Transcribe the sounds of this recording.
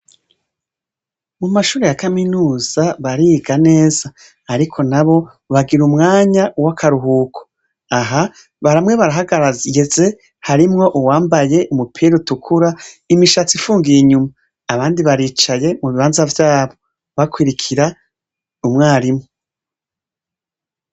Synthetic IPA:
mumaʃuːɾejakaminuːz̥aβaɾiɡane̞ːz̥aː | ɾikʰo̞naβo̞ | βaɡiɾumŋaːɲawakʰaɾuɦuːkʰo̥ | aɦa | βaɾamŋe̞βaɾaɦaɡaɾajeze̞ | haɾimŋo̞ʔuwaːmbaje̞ʔumupʰiɾutukʰuɾaimiʃat͡sifuːŋɡiiɲumaː | βaːndiβaɾiːt͡ʃaje̞muβiβaːnzavjaːβo̞ | βakwiɾikʰiɾa | umŋaːɾimŋo

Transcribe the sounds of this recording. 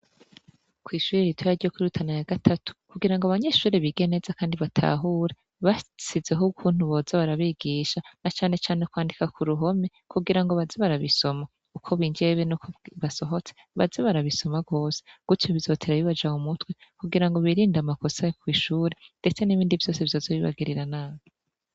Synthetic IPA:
kwiːʃuːɾeɾitʰwojaɾɟiokwuɾutʰanajaɡatʰatʰu̥kuɡiɾaŋɡoaβaɲe̞ːʃuːɾeβiɡe̞ne̞zakaːndiβatʰa̰ːɦuːɾe | βasizeɦokʰuːn̥huβo̞ːzaβaɾaβiɡiːʃanat͡ʃaːne̞t͡ʃaːnekwaːndikakuɾuɦo̞me̞ | kuɡiɾaŋɡo̞βazeβaɾaβiso̞ma | ukʰo̞βiɲɡd͡ʒe̞βenukoβaso̞ɦo̞t͡seβa̰zeβaɾaβiso̞maɡo̞ːse̥ɡ̥utʰjoβizo̞ːtʰeɾaβiβad͡ʒahumutwe̞kuɡiɾaŋɡo̞βiɾiːndamako̞sakwiːʃuːɾe̞nd̥e̞t͡seniβiːndivjo̞ːseβjo̞ːzoβiβa̰ɡiɾiɾanaːβo

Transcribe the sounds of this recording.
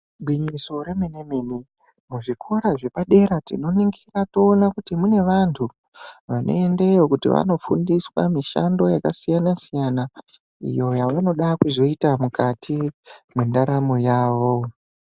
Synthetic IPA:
ɓwiɲiso̞ɾe̞menemeni | muʐikʰo̞ɾaʐe̞paɗe̞ɾatḭno̞niŋɡirato̞ːnakutimune̞ʋantʰu | ʋanʔo̞̰e̞nde̞jokutḭʋa̰no̞fundiswa̰miʃa̰ndo̞jakasijanasijana | ḭjo̞jaʋano̞ɗakuzo̞itamukatʰimwendaɾamo̞jaːʋo̞

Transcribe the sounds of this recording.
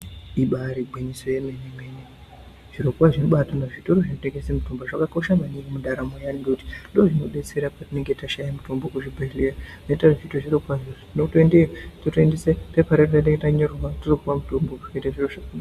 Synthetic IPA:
iɓaɾibʱwiɲisojeme̞nemene | ʐ̥iɾokwaʐinoɓatonaʐito̞ɾoʐinoteŋɡesemutomboʐakako̞ʃamaniɡimuɗaɾamojaniŋɡekuti̥ndoʐino̞ɗe̞t͡se̞ɾapatine̞ŋɡetaʃajamutombokuʐibʱelerainetaroʐitoʐirokwaʐo | noutoendeototendesepepaɾettaneɡetaɲoruwaturokuwamutombokueteʐiroʐakn

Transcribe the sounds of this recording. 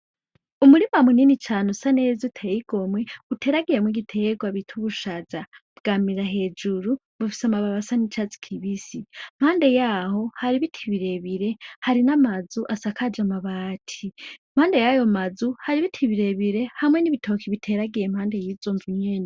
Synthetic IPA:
umuɾimamuninit͡ʃʰaːnusane̞zutʰejiɡ̥o̞mwe̞utʰe̞ɾaɡiɾe̞mwiɡitʰeɡwaβitʰuβuʃazabɡ̥aːmiɾaɦe̞ːd͡ʒuɾu | βufi̥samaβaβasanit͡ʃat͡si̥kʰiβisim̥haːnde̞jaho̞haɾiβitʰiβiɾe̞βiɾe̞haɾinamazuʔasakʰad͡ʒamaβaːtʰim̥haːnde̞jajo̞mazuhaɾiβitʰiβiɾe̞βiɾe̞hamwe̞niβitʰo̞kʰiβitʰe̞ɾaɡiɾem̥haːnde̞jizoːɱvuɲen

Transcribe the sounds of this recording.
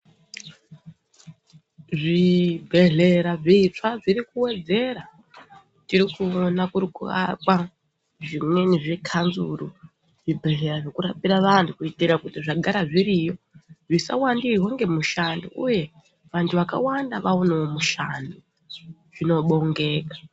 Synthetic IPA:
ʐibʱe̞ɮe̞ɾaʐeit͡ʂaʐirikuwe̞d͡ze̞ɾa | tiɾikuonakuɾikuʋa̰kwa | ʐimwe̞niʐekʰanzuɾu | ʐibʱe̞ɮe̞ɾaʐekuɾapiɾaʋantʰukuitiɾakutiʐaɡʱaɾaʐiɾijo | ʐisa̰wandiɦoŋɡe̞muʃando̰ʔuje̞ | ʋantʰuʋaka̰wandaʋaoneomuʃandu | ʐ̥ino̞ɓo̞ŋɡe̞ːkḁ

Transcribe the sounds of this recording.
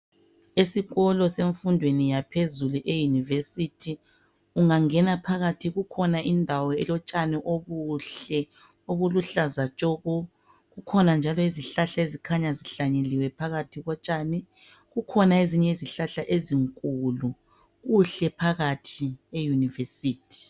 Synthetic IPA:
esiɣɔlɔseɱfundʱwenijapʰezuluʔejunivesitʰi | uŋaŋɛnapʰaɣatʰiɣukʰɔnaʔindʱawɔɛlɔt͡ʃʼaniʔoɣuɬɛ | oɣuluɬazat͡ʃʼɔɣɔ | ɣukʰɔnand͡ʒʱalɔiziɬaɬaezikʰaɲaziɬaɲeliwɛpʰaɣatʰiɣɔt͡ʃʼaniɛ | ɣukʰɔnaeziɲɛiziɬaɬaʔeziŋkʼulu | ɣuɬɛpʰaɣatʰiejunivesiːtʰi̥

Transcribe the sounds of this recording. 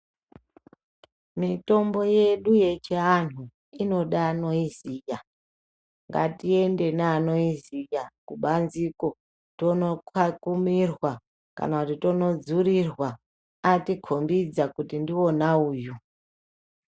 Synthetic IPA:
mito̞mbo̞je̞ɗuje̞t͡ʃeanu | ino̞ɗaːno̞izija | ŋɡa̰tie̞nde̞naːno̞izijakuɓanziko̞ | to̞no̞kakumirwa | ka̰nakutito̞no̞d͡zuɾirwa | atikʰombid͡zakutindio̞nauːju

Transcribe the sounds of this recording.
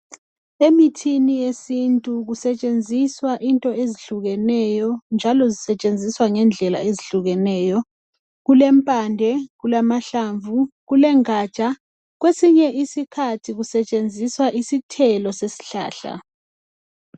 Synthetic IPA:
emitʰinijesintʼuɣusɛt͡ʃʼend͡zʱiswaʔintʼɔeziɬuɣɛnɛjɔnd͡ʒʱalɔzisɛt͡ʃʼend͡zʱiswaŋɛnd͡ɮʱɛla̰eziɬuɣɛnɛːjɔ | ɣulɛmpʼandʱɛɣulamaɬaːɱvuɣulɛŋaːt͡ʃʼa | ɣwesiɲɛʔisikʰatʰiɣusɛt͡ʃʼend͡zʱiswaʔisitʰɛlɔsesi̥ɬa̰ːɬa̰

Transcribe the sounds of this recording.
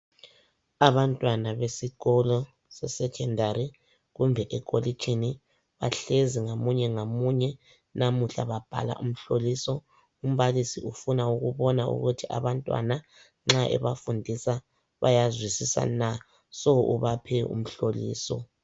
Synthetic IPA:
aβantʼwanaβesiɣɔlɔ | sɛsɛkʰɛndʱaɾi | ɣumbʱɛʔɛkʰʼolikʰini | βa̰ɬeziŋomuɲɛŋomuɲɛ | namuɬa̰βab̥ʱa̰la̰ʔum̩ɬolisɔ | um̩βalisiʔufunauɣuβɔnaṵɣutʰiʔa̰βantʼwa̰na | ŋ͡ǁaʔɛ̰βafundʱisa | βa̰jazwisisa̰na | sɔuβapʰɛṵm̩ɬolḭːsɔ̰

